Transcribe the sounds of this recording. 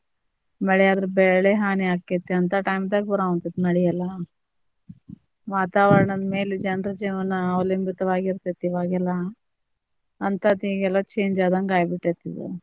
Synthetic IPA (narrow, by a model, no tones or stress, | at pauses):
mɐɭɛjaːd̪ɾebɛɭɭeɦaːniaːkːet̪ːeɐnt̪aʈɐjmd̪aːɡbɐɾaːɡunt̪it̪ːnɐɭijɛlːɐ | ʋaːt̪aːʋɐɾɐɳɐd̪me̞ːled͡ʒɛnɾɐd͡ʒiːʋɐnɐɐlimbit̪ɐʋaːɡiɾt̪et̪ːiʋaːɡɛlːɐ | nt̪ɐːd̪iːɡɛlːɐt͡ʃeːɲd͡ʒaːd̪ɐnɡaːjbiʈːet̪ːidḛ